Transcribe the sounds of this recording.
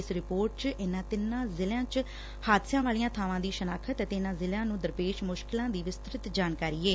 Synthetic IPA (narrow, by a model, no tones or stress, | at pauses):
ɪsɾɪpoːɾʈ̚t͡ʃʔɪnãːt̪ɪnãːzɪljãːt͡ʃ | haːd̪sãːʋaːlijãːt̪ʰaːʋãːd̪iːʃənaːkʰət̪t̪ɪnãːzɪlãːnũːd̪əɾpeːʃmʊʃkɪlãːd̪iːʋɪst̪ɾɪt̪d͡ʒaːnkaːɾiːeː